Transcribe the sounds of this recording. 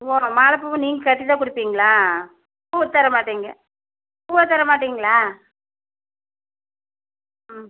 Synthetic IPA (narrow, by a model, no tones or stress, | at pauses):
omaːlɐpːuʋɯ̃niːŋɡɐkɐʈːɪt̪aːkʊɽɪpːiːŋɡɐɭaː | puːʋɐt̪ːɐɾɐmaːʈːiːŋɡɐ | ppuːʋɐt̪ːɐɾɐmaːʈːiːŋɡɐɭaː